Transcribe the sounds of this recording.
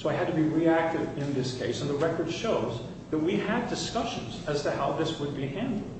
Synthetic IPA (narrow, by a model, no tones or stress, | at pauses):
soʊaɪɨd̚tʰɨbiɹiæk̚tɨvɪ̃nðɪskʰeɪsɨ̃nðəɹɛkə˞d̥ʃoʊz | ðɨt̚wiɨdɨskʌʃɨ̃nzɨz̥tɨhaʊðɪswəd̚bihæ̃ndˡl̩ˠd̥